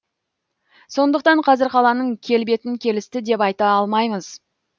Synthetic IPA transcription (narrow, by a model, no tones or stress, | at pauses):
so̞nd̪əqt̪ɑɴqʰɑzɪɾqʰɑlˠɑnəɴkʲʰe̞lbe̞t̪ɪŋkʲʰe̞lɪst̪ɪd̪e̞pɑjt̪ɑɑlˠmɑjməz̥